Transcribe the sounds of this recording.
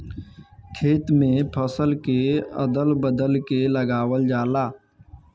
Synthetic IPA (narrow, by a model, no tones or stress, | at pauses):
kʰeːt̪mẽpʰəsəlkeə̰d̪əlbəd̪əlkeləɡaːʋəld͡ʒaːlaː